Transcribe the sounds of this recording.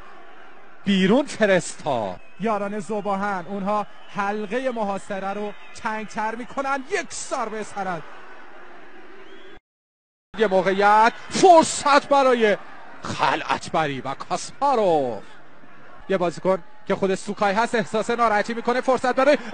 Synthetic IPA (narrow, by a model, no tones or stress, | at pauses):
b̥iːɾunfe̞ɾest̪ʰɒ̰ː | jɒːɾɒːne̞zobɒːɦænunɦɒː | hælɣe̞jemoɦɒːseɾæɾot̪ʰæŋɡ̚t̪ʰæɾmiːkʰonænd̪jekʰsɒːɾbesæɾænd̪̥ | d̪jemoːɣejæt̪ʰfoɾsæt̪ʰbæɾɒːje̞xæ̰lʔæ̰t̪ʰbæɾiːvækʰɒspɒːɾof | jebɒːzikon | cʰe̞xo̞d̪eʃsukʰɒːjɦæst̪e̞hsɒːsenɒːɾɒhæt̪ʰiːmiːkʰo̞nefoɾsæt̪̚bæɾɒːje